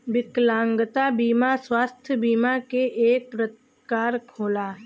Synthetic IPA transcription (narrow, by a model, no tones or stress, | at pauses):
bɪklãːŋɡət̪abiːmaswaːst̪ʰjəbiːmakeʔeːk̚pɾət̪ | kaːɾkʰoːlaː